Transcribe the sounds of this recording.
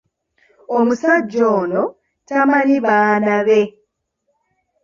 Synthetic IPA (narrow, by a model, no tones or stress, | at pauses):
omusaɟːoːno | tamaniβaːnaβe̞